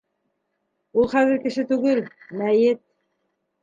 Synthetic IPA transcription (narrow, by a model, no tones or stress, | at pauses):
ulˠχæðɘ̆ɾkɘ̆ʃɘt̪ʉɡɘlmæjɘt̪̚